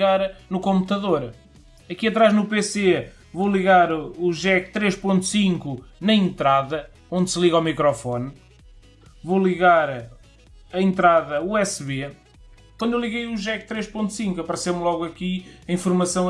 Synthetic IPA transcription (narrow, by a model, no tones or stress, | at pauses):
ɣaɾnukõmput̪ɐðoɾ | ɐkiɐt̪ɾaʒnupese | volˠiɣaɾuʒɛk̚t̪ɾeʃpõnt̪u̥sĩŋkunɐẽnt̪ɾaðɐ | õnd̪sɨlˠiɣawmikɾɔfɔn | volˠiɣaɾ | ɐẽnt̪ɾaðɐuɛsβe | kwɐ̃d̪ewlˠiɣejuʒɛk̚t̪ɾeʃpõnt̪u̥sĩŋkuɐpɐɾsemlˠɔɣwɐkiɐĩfuɾmɐsɐ̃w̃